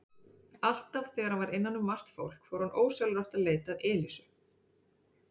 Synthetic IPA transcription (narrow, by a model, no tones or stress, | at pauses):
al̥t̪avθɛːɾavaɾɪnːanːʏmːar̥t̪fowl̥kfɔːɾhanʔoːwsœlɾɔwht̪aðleːjt̪aːðɛːlisʏ